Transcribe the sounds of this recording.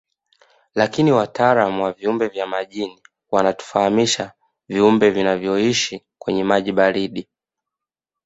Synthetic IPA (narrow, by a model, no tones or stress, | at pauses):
lakiniwataːɾamuwaviumbɛvjamaʄini | wanatu̥fahamiʃa | viumbɛvinavjɔiʃi | kwɛɲɛmaʄiɓaɾiɗi